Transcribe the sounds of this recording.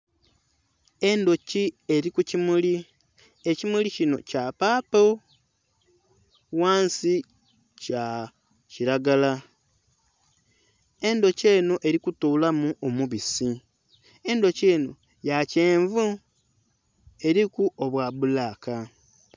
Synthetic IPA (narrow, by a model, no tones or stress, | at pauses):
e̞ndo̞cie̞ɾikucimuli | ecimulicino̞capaːpo | waːnsi | ca | ciɾaɡala | e̞ndo̞ce̞ːnoʔe̞ɾikutuːlamuʔomuβisi | e̞ndo̞ce̞ːno | jaceːɱvu | e̞ɾikuʔoβwaβulaːka